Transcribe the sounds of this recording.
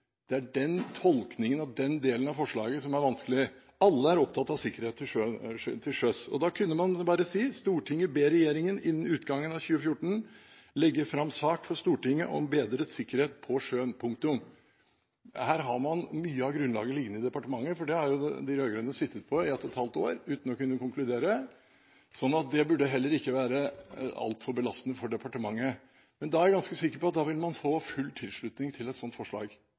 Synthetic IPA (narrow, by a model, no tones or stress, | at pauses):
d̪̥ɛæɖɛnt̪ʰɔlknɪŋənɑd̪ɛnd̪eːlənɑʋfɔʂɭɑ̰ːɡəsɔmæɾʋɑnskəlɪ | ɑlːəæɾɔpt̪ʰɑt̪ːɑʋsɪkːəɾheːt̪ʰːɪʂøt̪ʰɪlʂøsɔ̰d̪ɑkʰʉnːəmɑnbɑːɾəsiːst̪uːʈʰɪŋːəbeːɾɛjeːɾɪŋənɪnːn̩ʉːt̪ɡɑŋːənɑʋçʉːəfjʊʈɳ̩ | lɛɡːəɾfɾɑmːsɑːkfɔɾʂt̪uːʈɪŋːəʔɔ̰mbeːd̪ɾəsɪkːəɾheːt̪̚pʰɔʂøːnpʰʊŋk̚t̪ʊm | hæːɾɦɑɾmɑnmyːəɑʋɡɾʉnlɑ̰ːɡəlɪɡənəɪd̪ɛpɑʈəmɑŋːəfɔɖɛhɑɾjʊd̪ɪɾøːɡɾənːəsɪt̪ːət̪̚pʰɔɪɛt̪ɛt̪hɑlt̪o̰ːɾʉːt̪n̩ɔkʉnːəkʊŋklʉd̪eːɾə | sɔnːɑt̪̚d̪ɛbʉɖːəɦɛlːəɾɪkːəʋæːɾəɑ̰lt̪fɔɾbəlɑst̪nəfɔɖɛpɑʈəmɑŋːə | mɛnd̪ɑæɾæɡɑnskəsɪkːəɾpɔɑt̪̚d̪ɑʋɪlmɑnfoːfʉlːt̪ʰɪlʂɭʉt̪nɪŋt̪ʰɪlɛt̪sɔnt̪fɔʂɭɑ̰ːɡ